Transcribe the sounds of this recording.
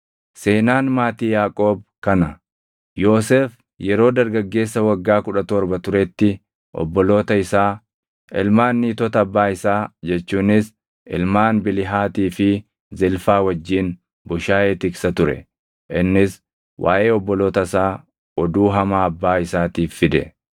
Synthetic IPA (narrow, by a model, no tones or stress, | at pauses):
se̞ːnaːnmaːt̪iːjaːkʼo̞ːb̚kɐnɐ | jo̞ːseːf | jɛɾo̞ːd̪ɐɾɡɐɡːe̞ːsːɐwɐɡːaːkʊᶑɐt̪ɔɾbɐt̪ʊɾɛt̪ːɪ | ʔɔ̰bːɔlo̞ːt̪ɐɪsaː | ɪlmaːnːiːt̪ɔt̪ɐːbːaːɪsaːd͡ʒɛt͡ʃːuːnɪs | ʔɪ̰lmaːnbɪlɪɦaːt̪iːfɪ | zɪlfaːwɐd͡ʒːiːn | bʊʃaːʔeːt̪ɪksɐt̪ʊɾɛ̰ | ʔɪnːɪs | wʔa̰ːʔe̞ːɔbːɔlo̞ːt̪ɐsaː | ɔd̪uːɦɐmaːɐbːaːɪsaːt̪iːfːɪd̪ɛ̰